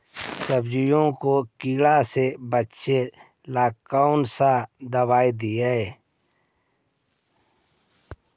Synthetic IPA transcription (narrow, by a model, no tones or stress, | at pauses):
səbd͡ʒɪjõkokiːɽasebətːʃe | laːkːaːʊnsad̪əbaːid̪ijae